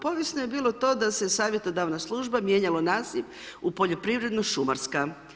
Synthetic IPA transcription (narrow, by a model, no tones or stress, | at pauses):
po̞ʋjesnoje̞biːlˠo̞t̪o̞ːd̪ase̞saːʋje̞t̪o̞d̪aʋnaslˠuʒbamje̞ɲalonaːziʋ | upo̞ʎopɾiʋɾe̞d̪noʃumaɾska